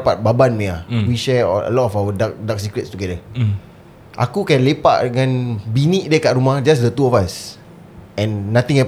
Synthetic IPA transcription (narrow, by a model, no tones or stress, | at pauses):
paʔ̚babanmĩawiʃɛɔə̰lɔtɔfawədak̚dak̚sikɾɛtstuɡɛdə | ʔa̰kukɛ̃nlepa̰ʔdəŋãnbiniʔ̚diəkaʔɾumahd͡ʒas̬dət̪uɔfas | ɛ̃nːãt̪ĩŋɛ